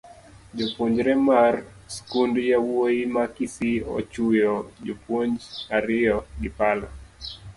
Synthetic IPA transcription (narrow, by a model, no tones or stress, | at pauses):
d͡ʒopwoɲd͡ʒɾɛmar | skundjawoimakisiɔ̰t͡ʃujɔd͡ʒopwoɲd͡ʒaɾɪɔɡɪpalɔ